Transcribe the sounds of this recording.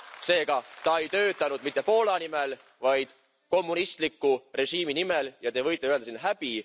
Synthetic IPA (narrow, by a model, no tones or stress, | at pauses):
se̞ːɡɑt̪ɑe̞jt̪ø̞ːt̪ːˑɑnud̪̥mit̪ːˑe̞po̞ːlɑnimel | vɑjd̪̥ | ko̞mːunist̪likːˑure̞ʃiːminimeljɑt̪e̞vɤjt̪ˑːeyø̞ld̪ɑsinːɦæb̥i